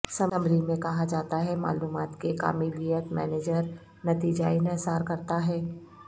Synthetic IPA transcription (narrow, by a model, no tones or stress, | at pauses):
sɐməmbɾimẽkɐɦad͡ʒaːt̪aɦɛma̰ːluːmaːt̪keka̰ːmilijət̪mɛ̰ːneːd͡ʒəɾ | nɐt̪iːd͡ʒaɪnəsaːɾkɐɾt̪aɦɛː